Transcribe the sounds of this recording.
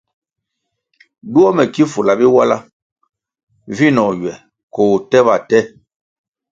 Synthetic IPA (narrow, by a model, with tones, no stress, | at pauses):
du˦ɔ˦mɛ˨ki˦fu˨la˨bi˦wa˦la̰˦ | vi˦nɔ˨ɥwɛ˨ | ko˨tɛ˦ba˨tɛ˦